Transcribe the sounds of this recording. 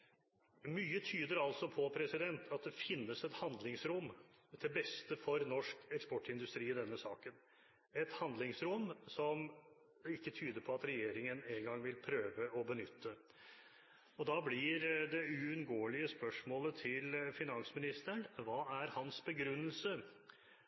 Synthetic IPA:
myːət̪ʰyːd̪əɾɑlt̪sɔpʰɔpʰɾɛsɪd̪ɛnt̪ʰɑt̪̚d̪ɛfɪnːəsɛt̪hɑnd̪lɪŋsɾʊmːd̪ʰɛbɛst̪əfɔɾnɔʂkɛkspɔʈːɪnd̪ʉst̪ɾiːd̪ɛnːəsɑ̰ːkən | ɛt̪hɑnd̪lɪŋsɾʊmsɔm | ɪkːət̪ʰyːd̪əɾpʰɔɑt̪ɾɛjeːɾɪŋəneːŋɡɑŋʋɪlpʰɾøːʋəɔbənʏt̪ʰːə | ɔd̪ɑblɪɾd̪ɛʉʉnɡoːəlɪəspœʂmoːlət̪ʰɪlfɪnɑnsmɪnɪst̪əɳʋɑːæɾhɑnsbəɡɾʉnːəlsə

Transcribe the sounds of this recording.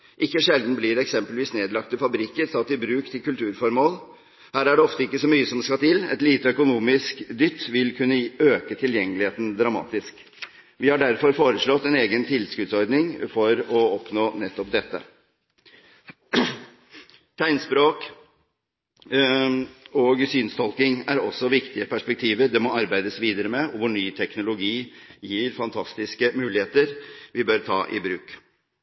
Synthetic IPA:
ʔɪkːəʂɛld̪n̩blɪɾɛksɛmpəlʋiːsneːd̪lɑk̚t̪əfɑbɾɪkːəɾsɑt̪ːɪbɾʉːkt̪ʰɪlkʉlt̪ʰʉːɾfɔɾmoːl | hæːɾæɖɛɔft̪əɪkːəsɔmyːəsɔmskɑt̪ʰɪlɛ̰t̪liːt̪əœkʊnuːmɪskd̪ʏt̪ːʋɪlkʰʉnːəøːkət̪ʰɪljɛŋːəlɪheːt̪n̩d̪ɾɑmɑ̰ːt̪ɪsk | ʋɪhɑɖæɾfɔɾfoːɾəʂɭɔt̪ːɛneːɡənt̪ʰɪlskʉd̪sɔɾd̪nɪŋfɔɾɔɔpnoːnɛt̪ːɔp̚d̪ɛt̪ːə̰ | t̪ʰæɪnspɾoːk | ɔɡsyːnst̪ʰɔlkɪŋæɾɔsɔʋɪkt̪ɪəpʰæʂpɛk̚t̪ʰiːʋəɾd̪ɛmɔɑɾbæɪd̪əsʋiːd̪əɾəmɛɔʋʊɳyːt̪ʰɛknʊlʊɡiːjiːɾfɑnt̪ʰɑst̪ɪskəmʉːlɪheːt̪əɾʋɪbøɾt̪ʰɑ̰ːʔɪ̰bɾʉːk

